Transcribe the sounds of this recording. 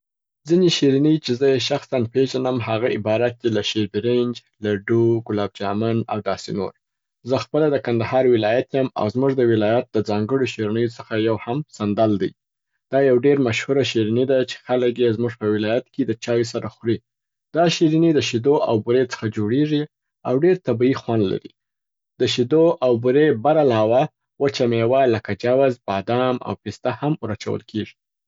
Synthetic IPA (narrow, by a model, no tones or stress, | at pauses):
d͡zineʃiɾinəjt͡ʃezəjeʃaxsanpeʒanəmɦaɣaɪbɑɾat̪̚t͡ʃelaʃeɾbɪɾend͡ʒ | laɖuɡʊlɑb̚d͡ʒɑmana̰wd̪ɑseno̰ɾ | zəxpəlad̪əkand̪ahɑɾwɪlɑjat̪jama̰wzmuʐd̪əwɪlɑjat̪̚d̪əd͡zɑŋɡəɽoʃiɾanəjot͡səxajawhamsand̪ald̪əj | d̪̥ɑjawɖeɾmaʃhuɾaʃiɾinid̪at͡ʃe̥xalək̬jezmuʐpəwɪlɑjat̪ked̪ət͡ʃɑwis̬aɾaxɾi | d̪ɑʃiɾinid̪əʃid̪oʔa̰wbuɾet͡sə̥xad͡ʒoɽeʐi | awɖeɾt̪abiixwand̪la̰ɾḭ | d̪̥əʃid̪oʔawbuɾebaɾalɑwa | wət͡ʃamewaləkad͡ʒawazbɑd̪ɑma̰wpist̪ahamɾat͡ʃa̰wə̰lkʰeʐi̥